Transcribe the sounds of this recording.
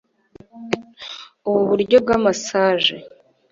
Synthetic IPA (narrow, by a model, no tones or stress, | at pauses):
uβuβuɾɟo̞b̚ɡamasaːʒe